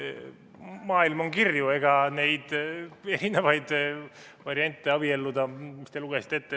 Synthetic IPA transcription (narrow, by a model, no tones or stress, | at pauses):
mɑːilmo̞ŋkirjue̞ɡ̥ɑne̞jd̪̥e̞ɾinevɑjd̪̥ | vɑɾiɑnʲt̪ːˑe̞ɑb̥ie̞lːud̪ɑmist̪e̞luɡ̥esi̥t̪ːˑe̞t̪ːe